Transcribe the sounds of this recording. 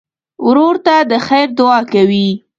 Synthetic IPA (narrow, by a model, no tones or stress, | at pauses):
wɾoɾt̪ad̪əxajɾd̪ʊɑkawi